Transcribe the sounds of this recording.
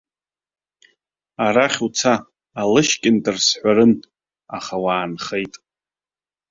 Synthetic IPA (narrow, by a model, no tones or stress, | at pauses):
aɾaχʲut͡sʰaː | lɨʃkʲʼɪntʼɨrsħʷaɾɨn | aχawaːnχejtʼ